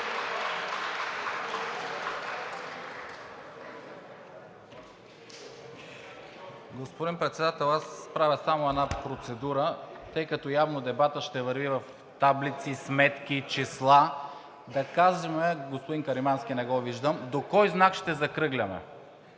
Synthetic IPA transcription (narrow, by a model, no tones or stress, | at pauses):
ɡospod̪inpɾɛt̪sɛd̪at̪ɛlˠasːpɾavʲəsamoɛnapɾot̪sɛd̪uɾət̪ɤjkɐt̪ɔjavnod̪ɛbat̪əʃt̪ɛvɐɾvivɐf | t̪ablit̪sismɛt̪k̟it͡ʃislˠa | d̪ɐkaʒɛmɛɡospod̪inkɐɾimansk̟ʲinɛɡɔviʒd̪əmd̪okɔjznakʃt̪ɛzɐkɾɤɡlʲɐmɛ̰